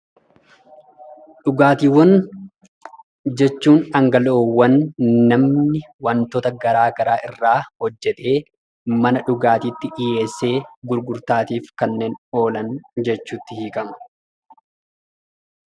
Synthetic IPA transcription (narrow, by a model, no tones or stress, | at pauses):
ᶑʊɡaːt̪iːwːɐn | d͡ʒɛt͡ʃːuːnɐŋɡɐloːwːɐnːɐmnɪwɐnt̪ɔt̪ɐɡɐɾaːɡɐɾaːʔɪrːaːhɔd͡ʒːɛt̪ʼeː | mɐnɐᶑʊɡaːt̪iːt̪ːɪᶑɪje̞ːsːe̞ːɡʊɾɡʊɾt̪aːt̪iːfkɐnːe̞ːno̞ːlɐnd͡ʒɛt͡ʃːuːt̪ːɪhiːkʼɐmɐ̥